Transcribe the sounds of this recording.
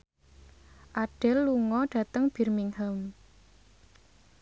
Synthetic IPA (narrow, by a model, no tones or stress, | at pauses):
ʔaɖ̥ɛlːuŋɔɖ̥ä̤t̪əŋb̥irmiŋhəm